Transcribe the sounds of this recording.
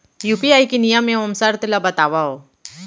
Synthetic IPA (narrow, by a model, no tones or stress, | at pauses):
juːpiaːikinijəmẽɐmsaɾt̪ɪlabɐt̪aːʋaɦoː